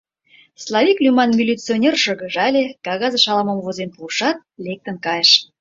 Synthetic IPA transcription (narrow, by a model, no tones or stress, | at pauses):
slˠɑvʲiklʲymɑnmʲilʲit͡sionʲerʃɤ̆ɣə̆ʒɑlʲekɑɣɑzə̆ʃɑlˠɑmə̆mvozenpuʃɑt̪̚lek̚t̪ə̆nkɑjəʃ